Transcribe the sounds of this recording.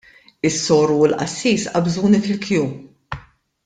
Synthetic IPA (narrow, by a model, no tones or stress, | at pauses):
ɪsːɔːɾuɪlʔɐ̰sːiːsɐbzuːnifɪlkjuː